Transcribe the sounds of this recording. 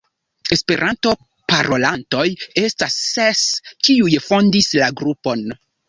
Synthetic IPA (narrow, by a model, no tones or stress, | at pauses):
e̞spe̞ɾʔanto̞ | paɾʔo̞lanto̞je̞stasːeskiujfo̞ndislaɡɾupo̞n